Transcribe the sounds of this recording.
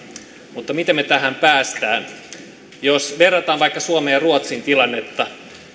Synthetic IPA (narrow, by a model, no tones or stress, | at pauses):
mut̪ːɑmit̪emːet̪æɦæmpæːst̪æːn | josʋerːɑt̪ɑːnʋɑikːɑsuomejɑruot̪sint̪ilɑnːe̞t̪ːɑ